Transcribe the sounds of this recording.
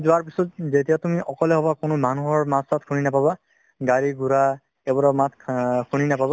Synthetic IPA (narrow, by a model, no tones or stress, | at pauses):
zʊwaɹpisɔt̚zetijatumiɔkɔleɦɔbakʊnʊmanuɦɔɹmasatkʰuninapaba | ɡaɹiɡuɹa | ebɔɹɔmatʰkʰuninapaba